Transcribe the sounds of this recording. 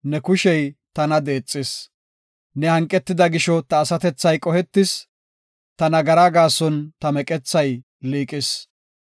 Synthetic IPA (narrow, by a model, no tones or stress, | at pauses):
nɛkʊʃɛjt̪ɐnɐd̪eːt͡sʼːɪs | nɛhɐŋkʼːɛt̪ːɪd̪ɐɡɪʃɔt̪ɐːsɐt̪ɛt͡sːɐjkʼɔhɛt̪ːɪs | t̪ɐnɐɡɐɾaɡaːsɔnt̪ɐmɛkʼɛt͡sːɐj | liːkʼɪs